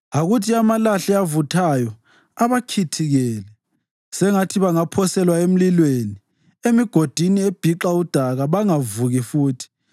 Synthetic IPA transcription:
aɣutʰiamalaɬɛavutʰajɔ | aβakʰitʰiɣɛːlɛ | sɛŋatʰiβaŋapʰɔsɛlwaem̩lilweni | emiɡ̥ʱod̥ʱinieb̥ʱiǃaud̥ʱaɣaβaŋavuɣifuːtʰi̥

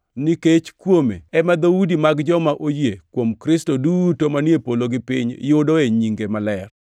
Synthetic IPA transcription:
nɪket͡ʃkwomḛɛmad̪audimaɡd͡ʒɔmaʔojekwomkɾɪstodutomanjepoloɡɪpɪɲjʊdoeɲiŋɡemalɛr

